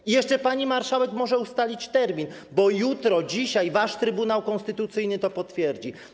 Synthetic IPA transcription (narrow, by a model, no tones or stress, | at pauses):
ijɛʂt͡ʂɛpaɲimaɾʂawɛkmɔʐɛust̪alʲit͡ɕt̪ɛɾmʲinbɔjut̪ɾɔd͡ʑiɕajvaʂt̪ɾɘbunawkɔ̃nst̪ɘt̪ut̪sɘjnɘt̪ɔpɔt̪fʲjɛɾd͡ʑi